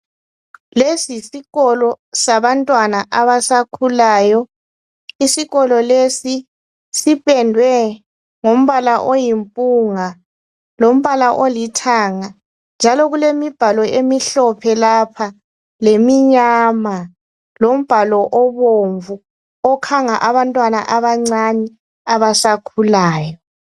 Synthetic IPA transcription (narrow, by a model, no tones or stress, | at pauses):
lesisiɣɔlɔsaβantʼwanaʔaβasakʰulaːjɔ | isiɣɔlɔlesi | sipʼɛndʱwɛ | ŋom̩βalaʔojimpʼuŋa | lom̩βalaʔolitʰaŋa | nd͡ʒʱalɔɣulemib̥ʱalɔemiɬɔpʰɛlapʰa | lemiɲama | lom̩b̥ʱalɔʔɔβoɱvu | ɔkʰaŋaʔaβantʼwana̰ʔaβaŋ͡ǀanɛ | aβasakʰulaːjɔ